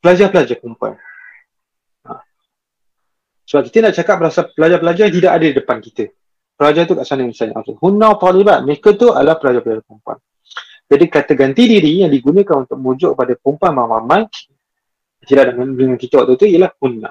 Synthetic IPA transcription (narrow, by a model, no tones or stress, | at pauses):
pəlad͡ʒapəlad͡ʒapumpua̰n | a̰ | səbap̚ki̥t̪ənaʔt͡ʃakap̚bəɾasapəlad͡ʒapəlad͡ʒajaŋt̪̬idaʔadədidəpankit̪ə | pəlad͡ʒat̪ukaʔsanə̃misaɲaʔa̰t̪uhunãwt̪ɔliban̚mekət̪ua̰dlahpəlad͡ʒapəlad͡ʒakumpua̰n | d͡ʒadikat̪əɡant̪idiɾijaŋdiɡunə̃kanunt̪ʊʔ̚məud͡ʒʊʔk̚əpadakumpanmamamãn | at̪idaʔdəŋandəŋankit̪əwaʔt̪ut̪uijəlahhunːã̰